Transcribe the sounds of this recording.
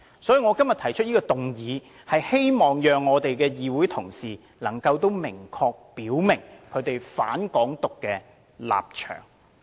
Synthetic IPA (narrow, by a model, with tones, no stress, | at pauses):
sɔː˨˥jiː˨˧ŋɔː˨˧kɐ˥mjɐ˨t̪ʰɐ˨˩jt͡ʃʰɵ˥jiː˥kɔː˧t̪ʊ˨ŋjiː˨˧ | hɐ˨jhe˥jmɔː˨ŋjœː˨ŋːɔː˨˧t̪e˨jkɛː˧jiː˨wuː˨˥jt̪ʰʊ˨˩ŋsiː˨ | lɐ˨˩ŋkɐ˧wt̪o˥wmɪ˨˩ŋkʰɔː˧k̚piː˨˥wmɪ˨˩ŋkʰɵ˨˧ɥt̪e˨jfa̰ː˨˥nkɔː˨˥ŋt̪ʊ˨kːɛː˧ | la̰ː˨p̚t͡ʃʰœ̰ː˨˩ŋ